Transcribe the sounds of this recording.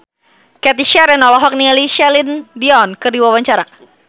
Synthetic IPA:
kɛt̪iʃɛɾɛnɔlɔɦɔk̚nialiʃɛlindiɔnkɨrdiwawaɲt͡ʃaɾa

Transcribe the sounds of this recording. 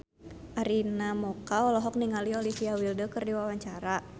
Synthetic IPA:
ʔaɾinamɔkaɔlɔɦɔk̚niŋaliɔlifiawildəkərdiwawaɲt͡ʃaɾa

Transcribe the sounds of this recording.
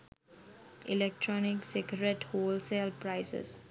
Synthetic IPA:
ilek̚ʈɾɔːniksekəɾeʈhoːlselpɾaɪsḛs

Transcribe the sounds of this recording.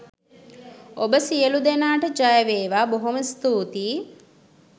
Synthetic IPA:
obəsijəlud̪enaːʈəd͡ʒajəʋeːʋaːboɦoməst̪uːt̪iː

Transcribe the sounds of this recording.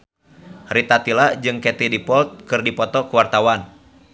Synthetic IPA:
rit̪at̪ilad͡ʒɨŋkɛt̪idipɔlt̪̚kɨrdipɔt̪ɔkuwart̪awan

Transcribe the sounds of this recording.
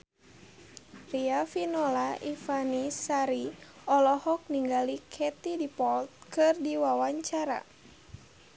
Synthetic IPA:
riafinɔlaʔifanisaɾi | ɔlɔhɔk̚niŋɡalikʰɛt̪idipɔlt̪̚kɨrdiwawaɲt͡ʃaɾa̰

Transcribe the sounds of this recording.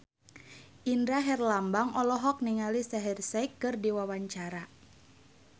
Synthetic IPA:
ʔindɾaɦɛrlambaŋɔlɔɦɔk̚niŋalisaɦirsɛikːɨrdiwawaɲt͡ʃaɾa

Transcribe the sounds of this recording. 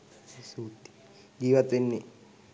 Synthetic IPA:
suːt̪i̥ | ɡiːʋat̪ʋenːe

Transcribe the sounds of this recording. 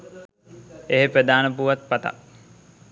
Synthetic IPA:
eɦepɾed̪aːnəp̬uʋat̪̚pat̪a̰

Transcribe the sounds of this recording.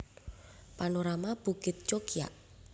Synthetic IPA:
panoɾamab̥ṳkɪt̪̚t͡ʃokija̰ʔ

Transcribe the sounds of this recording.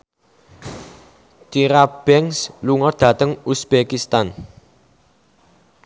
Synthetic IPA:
t̪iɾab̥ɛŋsluŋɔd̪̥ä̤t̪əŋusb̥ekist̪an

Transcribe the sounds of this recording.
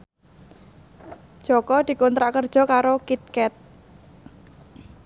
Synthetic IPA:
d̥ʒ̥ɔ̤kɔd̪̥i̤kɔnt̪ɾaʔkərd̥ʒ̥ɔ̤kaɾokit̪̚kɛt̪̚

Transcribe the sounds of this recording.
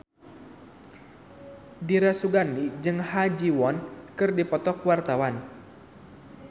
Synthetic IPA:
diɾasuɡanid͡ʒɨŋhad͡ʒiwɔnkɨrdipɔt̪ɔkwart̪awan

